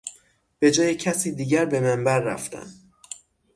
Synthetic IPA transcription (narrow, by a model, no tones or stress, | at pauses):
b̥e̞d͡ʒɒːjecʰæsiːd̪iːɟæɾbe̞mæmbæɾːæ̰ft̪ʰæ̰n